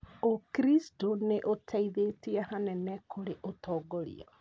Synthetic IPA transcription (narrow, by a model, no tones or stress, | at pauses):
okɾistoneʔotʰaiðetiahanɛnɛkʰoɾeʔotoɡoɾḭɔ